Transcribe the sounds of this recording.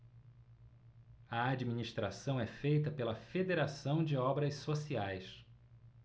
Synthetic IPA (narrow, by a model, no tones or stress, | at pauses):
ɐad͡ʒiminiʃt̪ɾasɐ̃w̃ɛfejt̪ɐpelɐfed̪eɾasɐ̃w̃d͡ʒɪɔbɾɐʃsosiajs